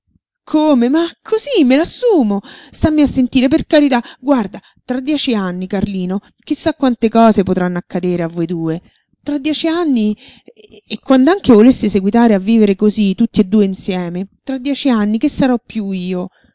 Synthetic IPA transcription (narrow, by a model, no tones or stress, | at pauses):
kʰomemakʰːozimːelasːuːmost̪amːiasːent̪iːɾeperkaɾit̪aɡward̪a | t̪ɾad̪ːjɛːt͡ʃianːikarliːno | k̟isːakːwant̪ekɔːzepot̪ɾanːoakːad̪eːɾeavːojd̪uːe | t̪ɾad̪ːjɛːt͡ʃianːi | ekːwand̪oaŋk̟evolesːeseɡwit̪aːɾeavːiːveɾekozit̪ːut̪ːied̪ːuːeinsjɛːmet̪ɾad̪ːjɛːt͡ʃianːik̟esːaɾɔpːjuiːo